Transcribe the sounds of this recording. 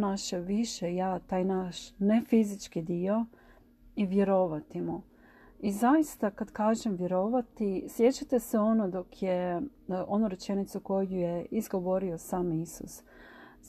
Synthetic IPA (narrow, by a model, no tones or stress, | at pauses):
naʃeʋiʃejat̪aːjnaʃne̞fizit͡ʃkid̪io̞ | iʋje̞ɾo̞ʋat̪imu | izajist̪akad̪kaːʒemʋje̞ɾo̞ʋat̪isje̞t͡ɕat̪e̞se̞o̞nod̪o̞kʰje | ʔo̞nuɾe̞t͡ʃe̞nit̪suko̞jujeizɡo̞ʋo̞ɾio̞saːmisṵs